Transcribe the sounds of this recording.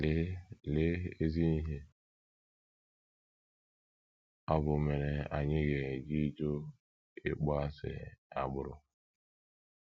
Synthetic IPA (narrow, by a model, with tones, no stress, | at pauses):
le˦e˦zi˦ni˦ɦe˦ | ɔ˦bʊ˨me˨ɾe˨a˨ɲɪ˦ɡe˨d͡ʒi˦d͡ʒo˦ | ɪ̰˦k͡pa˦sɪ̰˨a̰˨ɡ͡bʊ˦ɾʊ̰˦